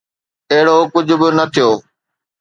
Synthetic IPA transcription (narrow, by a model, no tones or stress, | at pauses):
eɦɪɽokʊd͡ʑʱʊ̆bɪnɐt̪ʰijoː